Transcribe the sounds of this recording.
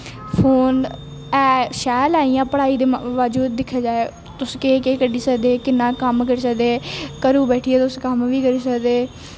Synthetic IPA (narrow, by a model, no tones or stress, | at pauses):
pʰoːn | ɛːʃɛːlaːijãːpəɽaːiːd̪eːʋaːd͡ʒuːd̪ːɪkʰːaːd͡ʒaːeː | t̪ʊskeːkeːkəɖiːsəkd̪eːkɪnːãːkəmkəɾiːsəkd̪eːkəɾuːbɛːʈʰiːeːt̪ʊskəmʋiːkəɾiːsəkd̪eː